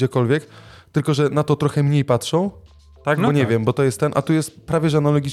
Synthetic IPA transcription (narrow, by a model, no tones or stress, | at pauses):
d͡ʑɛkɔlvʲjɛkt̪ɘlkɔʐɛnat̪ɔt̪ɾɔxɛmɲejpatʂɔ̃w̃ | t̪aɡbɔɲɛvʲjɛmbɔt̪ɔjɛst̪ːɛnʔa̰t̪ujɛst̪pɾavʲjɛʐɛanalɔɡʲi